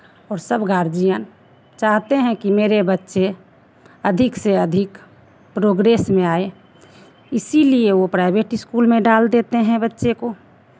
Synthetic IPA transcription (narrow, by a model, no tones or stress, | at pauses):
ɔːɾsəbɡʱaːɾd͡ʒijən | t͡ʃaːɦt̪eɦɛ̃kimeːɾebətːʃe | əd̪ʱɪkseəd̪ʱɪk | pɾoːɡɾeːsmẽaːe | ɪsilieʋopɾaɪbeʈɪskuːlmẽɖaːld̪eːt̪eɦɛ̃bətːʃeko